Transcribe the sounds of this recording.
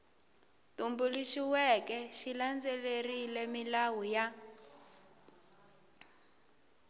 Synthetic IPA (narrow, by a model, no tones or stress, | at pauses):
tumbuliʃiwɛkɛʃiland͡zelerilɛmilawuja